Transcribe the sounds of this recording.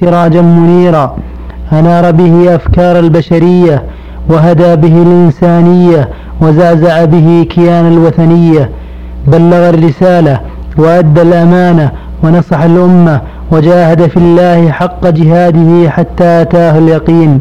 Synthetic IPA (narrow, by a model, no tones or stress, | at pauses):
ɪɾˤɑːd͡ʒanmʊniːɾa | ʔanɑːɾˤɑbɪhɪʔafkɑːɾˤalbaʃaɾɪjːa | waɦad̪aːbɪɦɪlʔɪnsaːnɪjːa | wazaːzaʕabɪɦɪkʰɪjaːnalwaθanɪjːa | balːaɣarːɪsaːla | waʔad̪ːalʔamaːna | wɑnɑsˤɑħalʔʊmːa | wad͡ʒaːhad̪afɪlːaːhɪħɑqːɑd͡ʒɪɦaːd̪ɪhɪħat̪ːaːʔat̪aːhaljɑqiːn